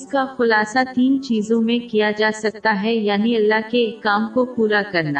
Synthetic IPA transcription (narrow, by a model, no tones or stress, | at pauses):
ɪskaxʊlaːsat̪iːnt͡ʃiːzõmẽkijad͡ʒaːsɐk̚t̪aɦɛjaːniɐlːaɦkekːaːmkopuːɾakɐɾna̰ː